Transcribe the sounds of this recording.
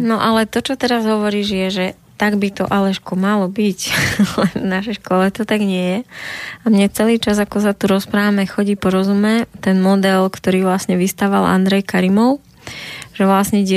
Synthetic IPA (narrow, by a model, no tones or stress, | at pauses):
nɔʔalɛt̪ɔt͡ʃɔt̪ɛɾazɦɔʋɔɾiːʒjɛʒɛ | t̪aɡbit̪ɔ̰ʔalɛʃkɔmalɔbiclɛnvnaʃɛjʃkʊɔlɛt̪ɔt̪aɡɲɪɛjɛamɲɛt͡sɛliːt͡ʃazakɔs̬at̪uɾɔspɾaːʋamɛxɔɟiːpɔɾɔzumɛt̪ɛnmɔd̪ɛlkt̪ɔɾiːʋlasɲɛʋist̪aːʋalʔa̰nd̪ɾɛjkaɾimɔʊ | ʒ̥ɛʋlasɲɛɟ